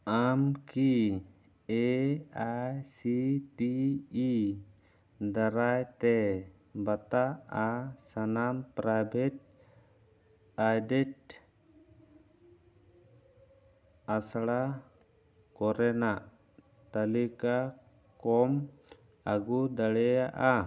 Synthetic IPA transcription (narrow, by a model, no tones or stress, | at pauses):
amki | ɛajsiʈiː | d̪aɾajt̪ɛ | bat̪aasanampɾajbʱɛt̚ | ajdɛt̚ | asɽa | kɔɾɛnaʔ | t̪alika | kɔm | aɡud̪aɽɛjaʔa